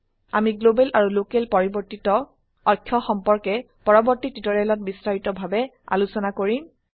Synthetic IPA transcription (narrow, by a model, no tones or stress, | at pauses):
amiɡlobɛlʔaɹulokelpɔɹibɔɹtitɔ | ɔkʰːjɔxɔmpɔɹkɛ | pɔɹɔbɔɹtititɔɹalɔt̚bistaɹitɔbʱabɛ | a̰lusɔnakoɹim